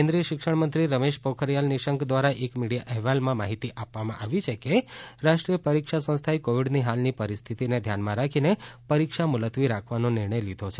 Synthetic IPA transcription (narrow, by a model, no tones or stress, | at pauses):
kẽnd̪ɾijəʃɪkʃəɽmənt̪ɾiɾəmeʃpokʰəɾijalniʃəŋkd̪ʋaɾaʔekmiɽijaʔɛɦʋalmãmaɦit̪iʔapʋamãʔaʋit͡ʃʰekeɾaʃʈɾijəpəɾikʃasə̃st̪ʰaekoʋiɖniɦalnipəɾist̪ʰit̪ined̪ʱjanmãɾakʰinepəɾikʃamʊlət̪ʋiɾakʰʋanonɪɾɳəjlid̪ʱot͡ʃʰe